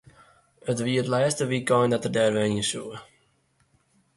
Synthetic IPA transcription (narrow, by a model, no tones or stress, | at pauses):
ətʋiətlɛːstəʋikɔjndɔtərdɛːrʋɛisuə